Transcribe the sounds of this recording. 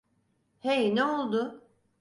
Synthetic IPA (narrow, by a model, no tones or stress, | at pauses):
hejneolˠd̪ʊ